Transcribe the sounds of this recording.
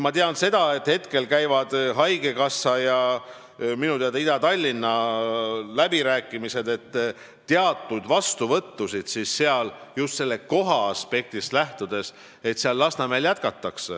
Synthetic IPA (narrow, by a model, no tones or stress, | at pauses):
mɑt̪eɑnse̞d̪̥ɑe̞t̪ːhe̞t̪ke̞lkæjvɑd̪̥ɦɑjɡe̞kɑsːɑjɑ | minut̪eɑd̪ɑid̪ɑt̪ɑlʲːinːɑ | læb̥iɾæːkːˑimise̞d̪̥e̞t̪ː | eɑt̪ːˑud̪̥vɑst̪uvɤ̞t̪ːusid̪̥sisːeɑljust̪se̞lːeko̞ɦɑːspe̞k̚t̪islæht̪ud̪̥e̞s | e̞t̪seɑlːɑsnɑmeljæt̪̚kɑt̪ːɑksḛ